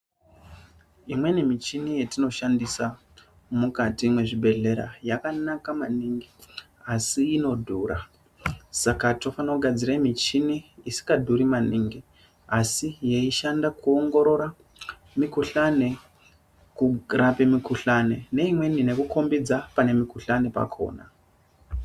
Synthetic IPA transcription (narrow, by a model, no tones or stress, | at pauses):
imwe̞nimit͡ʃinije̞tino̞ʃandisa | mukatimwe̞ʐibʱe̞ɮe̞ɾa̰jakanakamaniŋɡi | asiːno̞dʱuːra̰ | sakato̞fanoɡʱad͡ziɾaimit͡ʃiniːsi̥kadʱuɾimaniŋɡi | asije̞iʃandakuoŋɡo̞ɾo̞ɾa | mikuɬane̞ | kurapimikʰuɬane̞ne̞imwe̞nine̞kukʰo̞mbid͡zapane̞mikuɬane̞pa̰kʰo̰ːna̰